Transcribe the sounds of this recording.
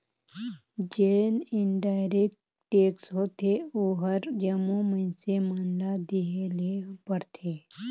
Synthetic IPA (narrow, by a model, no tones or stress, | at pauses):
d͡ʒeːnɪnɖaːjɾek̚ | ʈeːksɦoːt̪ʰeoːɦəɾd͡ʒəmumənsemənɖad̪iɦelepəɾt̪ʰeː